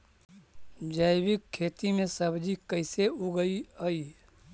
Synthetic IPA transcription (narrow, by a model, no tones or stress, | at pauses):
d͡ʒaɪbɪkʰːeːt̪imẽsəbʱd͡ʒikəɪseuɡəiəiː